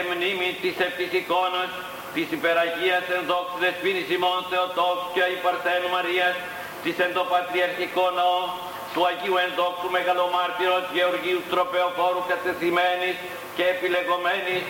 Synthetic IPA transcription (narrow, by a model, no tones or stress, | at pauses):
mnimit̪isep̚t̪isiko̞nɐs | t̪isipeɾɐʝiɐsenðoksiðespinisimonθeot̪okscɐipɐɾθenumɐɾiɐs | t̪isend̪o̞pɐt̪ɾiɐɾçikonɐo | t̪uɐʝiuenðo̞kst̪ume̞ɣɐlo̞mɐɾt̪iɾot̪ʝeoɾʝiut̪ɾo̞peoko̞ɾukɐt̪e̞θimenis | ceːpile̞ɣo̞menis